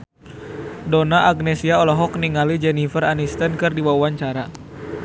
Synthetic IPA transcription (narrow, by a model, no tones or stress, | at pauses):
dɔnaʔaɡ̚nɛsiaɔlɔɦɔkniŋalid͡ʒɛnifəranist̪ənkɨrdiwawaɲt͡ʃaɾa